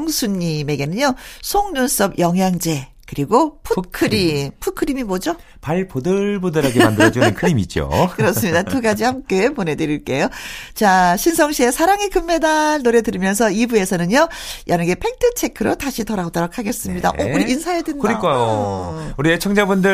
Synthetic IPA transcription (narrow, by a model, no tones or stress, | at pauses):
ŋsʰuɲːime̞ɡe̞nɯɲjosʰoŋnuns͈ʌbjʌŋɦjaŋd͡ʑe̞kɯɾiɡopʰukʰɯɾipʰukʰɯɾimimʌd͡ʑo | paɭpodɯɭbudɯɾaɡeandɯd͡ʑunɯnkʰɯɾimit͡ɕo̰kɯɾʌs͈ɯmɲidatuɡad͡ʑihamk͈e̞pone̞dɯɾiɭk͈e̞jot͡ɕaɕʰinsʰʌŋɕʰiesʰaɾaŋikɯmːedaɭnoɾe̞dɯɾimjʌns̬ʰʌibue̞sʰʌnɯɲjojʔʌnɯɡe̞pʰe̞k̚tʰɯt͡ɕʰe̞kʰɯɾotaɕʰitʌɾaɡodʌɾʌkʰaɡe̞s͈ɯmɲida̰ʔʔouɾiinsʰajedwenːkɯɾik͈ajo | uɾiet͡ɕʰʌŋd͡ʑabundɯ